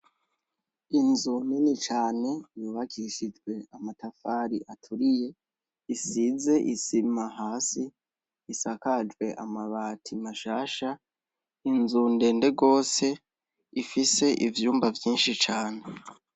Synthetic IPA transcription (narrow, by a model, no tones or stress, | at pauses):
inzuninit͡ʃaːne̞juːβakʰiʃid͡ʒɡwe̞amatafaɾiʔatʰuɾije̞ | isize̞ʔisimaɦaːsiː | sakad͡ʒɡwe̞ʔamaβaːtʰimaʃaːʃa | inzunde̞ːnde̞ɡo̞ːse̞ | ifise̞ʔivjuːmbavjiːnʃit͡ʃaːne̞